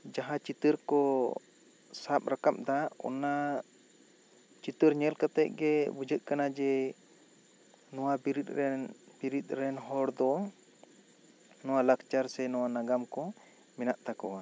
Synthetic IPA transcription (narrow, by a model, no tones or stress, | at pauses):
d͡ʒaɦãt͡ʃit̪əɾkɔ | sap̚ɾakap̚d̪aɔ̰na | t͡ʃit̪əɾɲɛlkat̪ɛc̚ɡɛbud͡ʒəʔ̪̚kanad͡ʒɛ | nɔwabiɾit̪̚ɾɛnbiɾit̪̚ˀɾɛnɦɔɽd̪ɔ | nɔwalakt͡ʃaɾsɛnɔwanaɡamkɔ | mɛnaʔt̪akɔwa